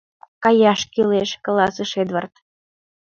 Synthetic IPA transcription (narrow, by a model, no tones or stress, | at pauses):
kɑjɑʃkyleʃklɑsəʃed̪βərt̪